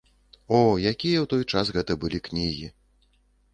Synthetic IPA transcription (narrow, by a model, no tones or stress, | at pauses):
ɔjakʲijɐwt̪ɔjt͡ʂasɣɛt̪ɐbɨlʲiknʲiɣʲi